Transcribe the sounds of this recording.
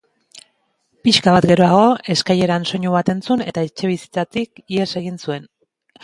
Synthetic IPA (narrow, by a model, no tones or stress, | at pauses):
piʃkaβat̪ɡe̞ɾo̞aɣ̞o̞e̞skaje̞ɾanso̞ɲuβat̪e̞nt͡sune̞t̪aet͡ʃe̞β̞isi̥t͡sat̪ikiese̞ɣ̞insue̞n